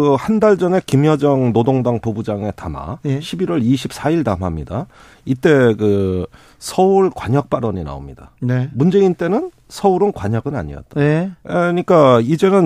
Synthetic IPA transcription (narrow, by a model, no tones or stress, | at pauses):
ɯhandaɭd͡ʑʌne̞kimjʌd͡ʑʌŋnodoŋdaŋpobud͡ʑaŋe̞tama̰ɕʰibiɾwʌɾiɕʰip̚s͈ʰaiɭdamɦamɲida | it͈e̞kɯ | sʰʌuɭkwaɲʌk̚p͈aɾʌɲina̰o̰mɲida̰nemund͡ʑe̞int͈e̞nɯn | sʰʌuɾɯnkwaɲʌɡɯna̰ɲḭʌ̰t̚t͈a | ɲik͈aid͡ʑe̞nɯn